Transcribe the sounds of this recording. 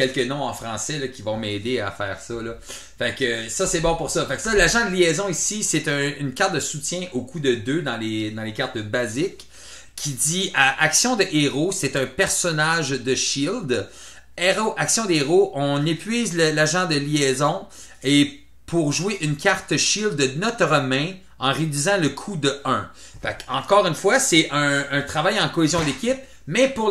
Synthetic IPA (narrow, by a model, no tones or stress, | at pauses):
kʲɛlkənɔ̃ɑ̃fχɑ̃sɛlʌkʲivɔ̃mɛd̪ea̰fɛːʁsʌlʌ | fakəsʌsɛbɔ̃puʁsʌfaksʌlaʒɑ̃d̪əljɛzɔ̃isiset̪ɛ̃ynkʲaʁt̪̚d̪əsut͡sjɛ̃ʔokʰud̪əd̪ød̪ɑ̃led̪ɑ̃lekaʁt̪əbazɪkʰː | id̪d͡z̪iʔaʔaksjɔ̃d̪əʔeʁosɛt̪œ̃pɛʁsɔnaʒd̪əʃild̪ | eʁoʔaksjɔ̃d̪eʁoʔɔ̃nepɥiːzləlaʒɑ̃d̪əljɛzɔ̃ | e | pʰuʁʒueʔynkʰʲaʁt̪ʃild̪ənɔt̪ʁɔmɛ̃ | ɑ̃ʁed̪ɥizɑ̃ləkʰud̪əœ̃ | fa̰kɑ̰̃kɔːʁynfwasɛʔə̃ːt̪χavajɑ̃kɔezjɔ̃d̪ekʲɪp̚ | mɛpuʁ